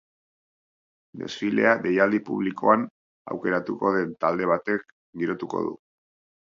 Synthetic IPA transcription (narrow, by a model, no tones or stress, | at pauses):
d̪e̞̰sfile̞̰aðe̞jald̪ipṵβ̞liko̞̰an | a̰wke̞ɾat̪uko̞ðe̞nt̪ald̪e̞β̞at̪e̞k̚ | ɡiɾo̞t̪uko̞̰ðṵ